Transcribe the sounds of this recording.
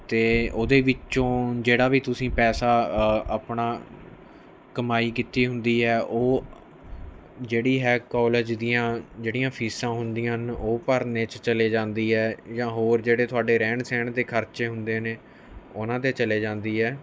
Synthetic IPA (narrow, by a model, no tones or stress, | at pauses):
t̪eːoːd̪eːʋɪt͡ʃõːd͡ʒeːɽaːʋiːt̪ʊsĩːpɛːsaːaːpɳaː | kəmaːiːkit̪iːɦʊnd̪iːɦɛːʔoː | d͡ʒeːɽiːɦɛːkɔːled͡ʒd̪iːãːd͡ʒeːɽijãːpʰiːsãːɦʊnd̪ijãnoːpəɾneːt͡ʃt͡ʃəleːd͡ʒãːnd̪iːɦɛːd͡ʒãːɦoːɾd͡ʒeːɽeːt̪ʰʊaːɖeːɾɛːɳsɛːɳd̪eːkʰəɾt͡ʃeːɦʊnd̪eːneː | ʊnãːt̪eːt͡ʃəleːd͡ʒãːnd̪iːɦɛː